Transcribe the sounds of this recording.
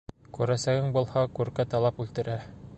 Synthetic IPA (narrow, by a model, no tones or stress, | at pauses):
kʉɾæsæɡɘŋbŭlˠhɑkʉɾkæt̪ɑlˠɑpʉlt̪ɘ̆ɾæ